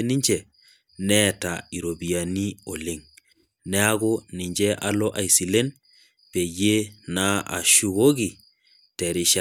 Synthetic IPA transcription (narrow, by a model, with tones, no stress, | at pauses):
ni˦ɲt͡ʃe˨ | ne˦ta˨i˨ɾo˨bi˨ja˨ni˦o˨le˦ŋ | ne˦a˦ɡo˦ni˨ɲd͡ʒe˦ʔa˨lo˦ʔa˨jsi˨le˦n | pe˨je˦na˦a̰˨ʃu˦ɡo˦ɡi˨ | te˨ɾi˨ʃa